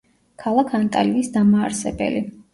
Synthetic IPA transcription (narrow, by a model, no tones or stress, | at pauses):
kʰalˠakʰant̪ʼaliisd̪amaːɾsɛbɛ̰li